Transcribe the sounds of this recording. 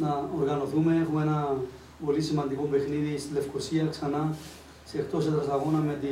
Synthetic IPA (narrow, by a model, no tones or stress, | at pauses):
nɐoɾɣɐno̞θume̞exumenɐ | po̞lisimɐnd̪iko̞be̞xniðist̪ile̞fkosiɐksɐnɐ | sext̪o̞set̪ɐsɐɣo̞nɐmet̪i